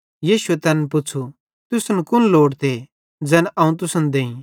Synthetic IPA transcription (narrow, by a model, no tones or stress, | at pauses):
jiːʃʊet̪ɛːnpʊt͡sʰu | t̪ʊsənkʊnloːɽt̪e | d͡zɛːnʔɐ̃ːũt̪ʊsənd̪eːĩ